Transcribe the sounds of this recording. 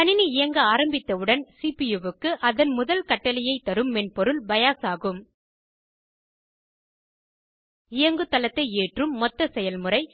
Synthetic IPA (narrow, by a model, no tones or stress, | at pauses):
ɐnɪniɪjɐŋɡɐaːɾɐmbɪt̪ːɐʋɯɽɐnsipijɛʋɯkːɯʔɐðɐnmʊðɐlkɐʈːɐlɪjɐɪt̪ːɐɾɯmːɛnpɔɾɯlbɐjaːsaːɣɯm | ɪjɐŋɡɯt̪ːɐlɐt̪ːɐɪeːʈrɯmːɔt̪ːɐsɛjɐlmɯɾɐɪ